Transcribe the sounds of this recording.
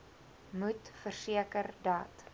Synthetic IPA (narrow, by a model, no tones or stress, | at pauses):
mutfərsiəkərdɑːt